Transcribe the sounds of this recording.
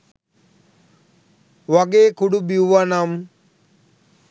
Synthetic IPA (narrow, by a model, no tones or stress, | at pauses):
ʋaɡeːkuɽubiuʋanam